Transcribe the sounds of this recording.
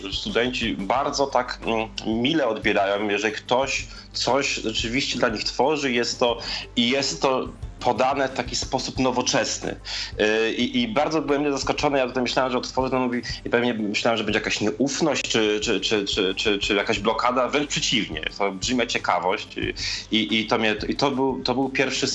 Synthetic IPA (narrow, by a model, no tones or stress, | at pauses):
st̪ud̪ɛɲt͡ɕibaɾd̪zɔt̪akmʲilɛɔd̪bʲjɛɾajɔmjɛʐɛlʲikt̪ɔɕ | t̪sɔɕʐɛt͡ʂɘvʲiɕt͡ɕɛd̪laɲixt̪fɔʐɘjɛst̪ːɔijɛst̪ːɔpʰɔd̪anɛft̪akʲispɔsupnɔvɔt͡ʂɛsnɘ̰ | ʔiʔibaɾd̪zɔbɘwɛmɲɛzaskɔt͡ʂɔnɛjat̪ut̪ajmɘɕlawɛmʐɛɔt̪tfɔʐɨt̪anmuvʲiipɛvɲɛmːɘɕlawɛmʐɛbɛɲd͡ʑɛjakaɕɲɛʔufnɔɕt͡ɕt͡ʂɘt͡ʂɘt͡ʂɘt͡ʂɘt͡ʂɘt͡ʂɘjakaʑblɔkad̪avɾɛnt͡ʂpʂɛt͡ɕivɲɛ̰t̪ɔbʐɘmʲjat͡ɕɛkavɔɕt͡ɕiʔit̪ɔmɲɛt̪it̪ɔbɘwt̪ɔbɘwpʲjɛɾfʂɘ